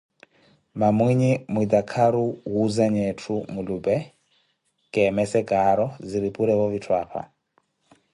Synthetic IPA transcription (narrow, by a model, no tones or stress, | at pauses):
mamwiɲimwid̪akʰaɾuɦuzaɲɛtʰumulubɛ | kʼɛmɛsɛɡʼaɾɔziɾipʼuɾɛβɔβitʰwaːpʰa̰